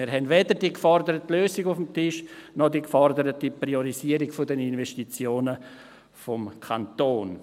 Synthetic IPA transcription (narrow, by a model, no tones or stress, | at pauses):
iːɾɦɛndʋeːdəɾdiəkfɔrdəɾətløːsɪɡʊfəm̩tɪʃnɔdikfɔrdəɾətiprioɾiziəɾiɡfʊdɛninvɛsʃtit͡sjoːnə | fɔmkʰant̪oːn